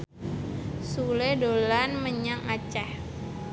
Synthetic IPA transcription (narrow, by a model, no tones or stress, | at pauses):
suledolanməɲaŋat͡ʃah